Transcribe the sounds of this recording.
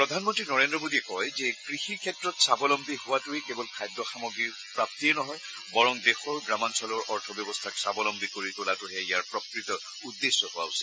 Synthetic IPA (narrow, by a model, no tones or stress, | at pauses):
pɹɔdʱanmɔntɹinɔɹendɹɔmodiɛkɔjzɛkɹixiɹkʰɛtɹɔtsabɔlɔmbʱihʊwatʊɛkebɔlkʰajdːɔxamɔɡɹi | pɹap̚tiɛnɔɦɔj | bɔɹɔŋdexɔɹɡɹamansɔlɔɹɔɹtʰɔbjɔbɔstʰaksabɔlɔmbʱikoɹitʊlatʊɦɛijaɹpɹɔkɹitɔ | udːesːɔhʊwa̰usil